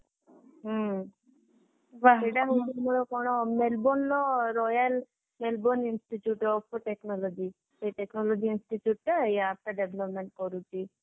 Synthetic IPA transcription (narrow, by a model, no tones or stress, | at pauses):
ʋaiɖaɦuʈumulokonomelboːnloɾɔjal | melboninsʈiʈjuʈɔpʈeknolod͡ʒi | eʈeknolod͡ʒiːnsʈiʈjuːʈːjaːp̚ʈɐɖeblɐpmeɳʈ̚koɾut͡ʃːi